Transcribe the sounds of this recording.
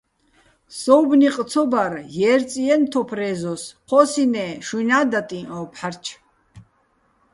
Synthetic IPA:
sɔwbniq̪ʼt͡sʰɔbaɾjɛːɾt͡sʼiɛnt̪ʰɔpʰɾɛzɔsqʰɔsinɛʃunad̪at̪ʼĩʔɔ̃ːpʰħaɾt͡ʃʰ

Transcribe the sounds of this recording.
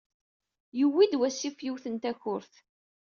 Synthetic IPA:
jəwːid̪wæsːifjiwθənt̪æçʊɾθ

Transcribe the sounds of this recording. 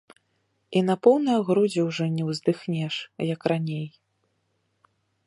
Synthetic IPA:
inɐpɔwnɨjɐɣɾud͡zʲɛwʐɔnʲɛwzd̪ɨxnʲɛʂjɐkranʲej

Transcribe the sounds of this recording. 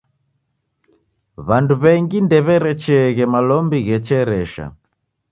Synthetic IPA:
βanduβɛŋɡindɛβɛɾɛt͡ʃɛɣɛmalɔmbiɣɛt͡ʃɛɾɛʃa̰

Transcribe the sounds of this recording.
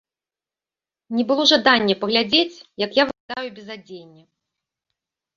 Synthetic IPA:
nʲɛbɨlˠɔʐad̪anʲːɛpɐɣlʲad͡zʲet͡sʲjɐkjavɨkad̪ajubʲɛzad͡zʲenʲːɐ

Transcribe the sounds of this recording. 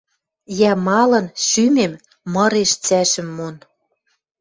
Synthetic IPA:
jæmɑlɤ̆nʃymem | mɤ̆ɾeʃt͡sæʃɘ̆mːon

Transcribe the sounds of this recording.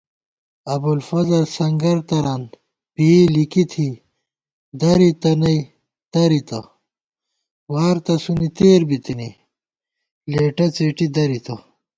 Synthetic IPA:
ɐbulfɐzɐlsɐŋɡɐɾt̪ɐɾaːn | pilikit̪ʰi | d̪ɐɾit̪ɐnɐj | d̪̥ɐɾit̪ɐ̰ | waːɾt̪ɐsunit̪eːɾbit̪ini | leːʈɐt͡seːʈid̪ɐɾit̪ɐ

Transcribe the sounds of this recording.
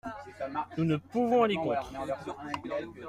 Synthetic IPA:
nunəpuvɔ̃alekɔ̃t̪χ

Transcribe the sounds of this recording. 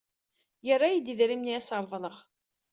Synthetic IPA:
jərːajid̪iðɾimniæsəɾˤðˤləχ

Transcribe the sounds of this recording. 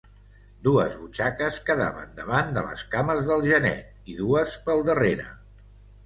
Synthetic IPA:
d̪uə̰zβut͡ʃakəskəða̰βə̰nd̪əβand̪ə̰lə̰skaməzðəlˠʒənɛ̰t̪̚ | iðuəspəlˠd̪əreɾə̰

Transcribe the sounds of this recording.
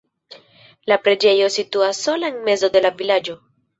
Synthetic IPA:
lapɾe̞d͡ʒe̞jo̞situaso̞laenme̞zo̞de̞lavilad͡ʒo̞

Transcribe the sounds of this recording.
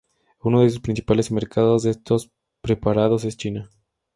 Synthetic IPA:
unoð̞e̞s̬uspɾins̬i̥pale̞smeɾkʰaðo̞zðeest̪o̞s | pɾe̞paɾað̞o̞s̬e̞st͡ʃina

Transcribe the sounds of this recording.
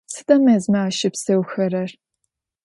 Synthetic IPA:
sɨdɐmɐzmɐaːʃɪpsɐwxɐɾɐr

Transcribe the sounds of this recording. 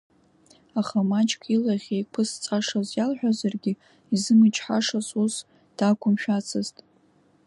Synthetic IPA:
aχamat͡ʃʼkʰʼilaʁʲejkʰɨst͡sʼaʂazjalħʷᶣazarɡʲɪ | izɨmɨt͡ʃʰʼħaʂasus | d̥akʷʰʊmʃᶣat͡sʰɨztʼ

